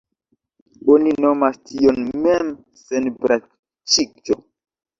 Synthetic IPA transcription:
oninomastʰionmem | senpɾa | t͡ʃikt͡ʃo

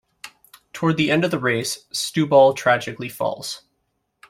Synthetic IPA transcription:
tʰɔɹd̪̚ðiɛ̃ndʌvðəɹeɪsːtʉbɔlˠtʰɹ̥æd͡ʒɨklifɔ̰lˠz̥

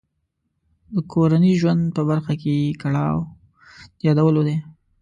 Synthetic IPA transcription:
d̪əkʰoɾaniʒwand̪̚pəbaɾxakekaɽɑw | jɑd̪awəlod̪e

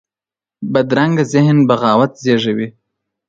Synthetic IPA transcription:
bad̪ɾaŋɡazɪhnbaɣɑːwat̪zeʐawi

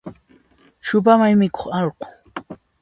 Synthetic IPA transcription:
t͡ʃʊp̬amajmɪko̥χɑlqʊ̥

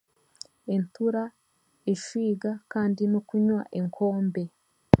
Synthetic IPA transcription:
entuɾa | eʃwiːɡakaːndinokuɲwa̰ʔe̞ŋkʰo̞ːmbe̞

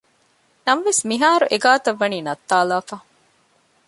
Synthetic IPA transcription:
nɐmɐʋesmiɦaːɾuʔeɡaːt̪ɐʋːɐniːnɐt̪ːaːlaːfaː

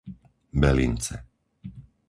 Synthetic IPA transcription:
bɛlḭnt͡sɛ

